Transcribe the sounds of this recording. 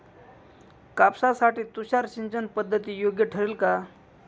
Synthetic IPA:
kapsasaʈiːt̪uɕaɾɕiɲt͡ɕənpəd̪ʱːət̪iːjoɡjəʈʰəɾilka

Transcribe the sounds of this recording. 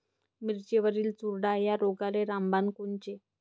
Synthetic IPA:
miɾt͡ɕeʋəɾiːlt͡suɾɽajaɾoɡaleɾambankoɳt͡ɕe

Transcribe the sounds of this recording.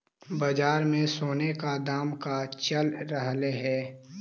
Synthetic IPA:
bɐd͡ʒaːɾmẽsoːnekad̪aːmkat͡ʃəlɾəɦleɦɛː

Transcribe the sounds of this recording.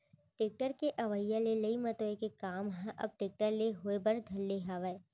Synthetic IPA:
ʈeːk̚ʈəɾkeʔɐʋəjːalelɐimɐt̪oekekaːmɦãʔɐ̰b̚ʈeːk̚ʈəɾleɦoebɐɾd̪ʱɐlːeɦaʋəe

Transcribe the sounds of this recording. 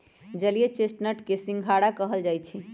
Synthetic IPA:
d͡ʒəliet͡ʃesʈnəʈkesĩŋɡʱaɽakəɦəld͡ʒajt͡ʃʰi

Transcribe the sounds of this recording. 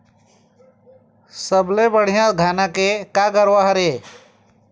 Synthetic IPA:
səblebəɽ̤ijãt̪ɡʱaːnakekaɡəɾʋaɦɾe

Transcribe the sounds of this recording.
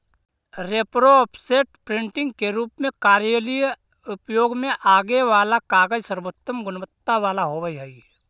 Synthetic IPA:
ɾeːpɾoɔpʰseːʈpɾɪ̃ɳʈɪ̃ŋɡkeɾuːpmẽkaːɾjəlij | ʊpjoːɡmẽʔaːɡeʋaːlakaːɡəd͡ʒsəɾboːt̪ːəmɡʊnʋət̪ːaʋaːlaɦoʋəiɦɛi

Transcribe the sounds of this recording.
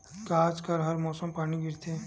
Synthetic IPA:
kaːd͡ʒkɐɾɦɐɾmɔːsəmpaːɽ̃iɡɪɾt̪ʰẽ

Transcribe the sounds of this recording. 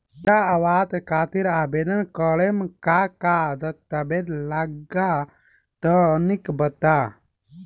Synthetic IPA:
t͡ʃaɐwaːt̪kʰaːt̪iɾaːbeːd̪ənkəɭemkakad̪ɐt̪ːɐbed̪laɡa | t̪ənikbɐt̪a

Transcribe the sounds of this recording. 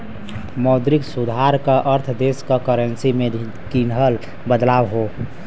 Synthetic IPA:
məwd̪ɾiksud̪ʱaɾkəʔəɾt̪ʰd̪eskəkəɾənsime | kinɦəl | bəd̪lawɦo

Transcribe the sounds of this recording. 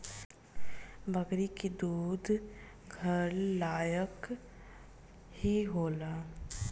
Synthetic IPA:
bəɡɾikid̪uːd̪ʱ | ɡʱəɾlaːjək | hiɦoːlaː

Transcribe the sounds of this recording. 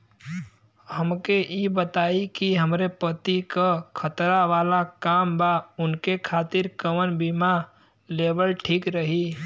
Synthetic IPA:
həmkeibət̪aːikiɦəmɾepət̪ikakʰət̪ɾaʋaːlakaːmbaʊnkekʰaːt̪ɪɾkəmənbima | leːbəlʈʰiːkɾəɦi

